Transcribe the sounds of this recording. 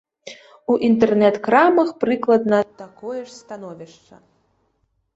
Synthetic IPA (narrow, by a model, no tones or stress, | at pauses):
uʔint̪ɛrnɛt̪kɾamɐxpɾɨklˠɐd̪nɐt̪akɔjɛʂst̪anɔvʲiʂt͡ʂɐ̰